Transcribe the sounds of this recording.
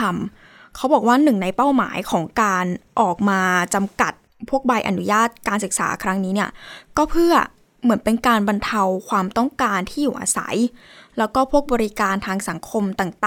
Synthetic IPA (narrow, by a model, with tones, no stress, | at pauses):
a˧m | kʰa˦˥wbɔː˨˩k̚waː˥˩nɯ˨˩ŋna˧jpa˥˩wma̰ː˩˦jkʰɔː˩˦ŋkaː˧nʔɔː˨˩k̚maː˧t͡ɕa˧mka˨˩t̪̚ | pʰu˥˩ək̚ba˧jʔa̰˨˩nu˦˥jaː˥˩t̪̚kaː˧nsɯ˨˩k̚sa̰ː˩˦kʰɾa˦˥ŋniː˦˥ni˥˩ɐkɔː˥˩pʰɯ˥˩ɐ | mɯ˩˦ənpe˧nkaː˧nba˧nt̪ʰa˧wkʰwaː˧mt̪ɔ˥˩ŋkaː˧nt̪ʰiː˥˩juː˨˩ʔa̰ː˧sa̰˩˦j | lɛː˦˥wkɔː˥˩pʰu˥˩ək̚bɔː˧ɾi˦kaː˧nt̪ʰaː˧ŋsa˩˦ŋkʰo˧mt̪aː˨˩ŋt̪ː